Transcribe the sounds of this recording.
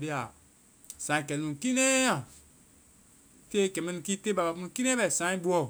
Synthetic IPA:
bi˦a˨ | sã˨ĩ˨kɛ˨nũ˨ki˦ne˦ã˨ | te˦kɛ˨mi˦n˨ki˦te˦ba˨ba˨pu˦u˨ki˦ne˦bɛ˨sã˨˦ĩ˦bu˦ɔ˦˨

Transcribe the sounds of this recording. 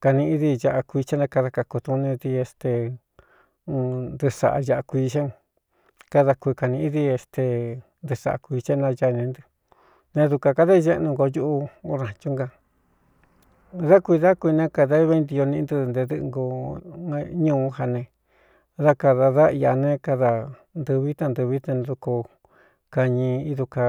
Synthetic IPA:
ka˧nĩ˧ʔði˧ja˧ʔa˧kʷi˧t͡ʃe˦nã˧ka˧ða˧ka˧ko˧t̪u˧nĩ˧ði˧e˧st̪e˧ | nd̪ɨ˧ʂa̰˨ʔa̰˧ja˧ʔa˧kʷi˧t͡ʃe˦ŋ | ka˧ða˧kʷi˧ka˧nĩ˧i˦ði˧e˧st̪e˧ | nd̪ɨ˧ʂa̰˨ʔa̰˧kʷi˧t͡ʃe˦nã˧ja˧nĩ˧nd̪ɨ˧ | nẽ˧ðu˧ka˧ka˧ða˦˧ʒe˦ʔnũ˧ŋɡo˧ju˦ʔu˧o˧ɾã˨t͡ʃu˦ŋɡa˧ | ða˦kʷi˧ða˦kʷi˧nẽ˦ka˧ða˦βe˧nd̪i˧o˧nĩ˧nd̪ɨ˧ðnd̪e˧ðɨ˧ʔɡo˧ | ɲũː˦˧˦ha˧nẽ˧ | ða˦ka˧ða˧ða˦i˧a˧nẽ˦ka˧ða˧ | nd̪ɨ˧βi˦t̪a˧nd̪ɨ˧βi˦t̪e˧nd̪u˧ko˧ | ka˧ɲĩ˧i˦ðu˧ka˧

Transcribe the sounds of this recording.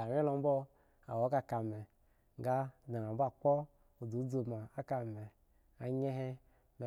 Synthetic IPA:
a˨wʲɛ˦lɔ˧˨m̩˦bɔ˦ | a̰˨wɔ˨˦ka˧ka˨mɛ˨ | ŋ˦ɡa˦˨da˨na˨m˦ba˦˨k͡pɔ˦ | o˨du˨˦d͡zo˨ma˨a˦ka˨mɛ˨ | a˨ɲɛ˦ɦɛ˦ | mɛ˨

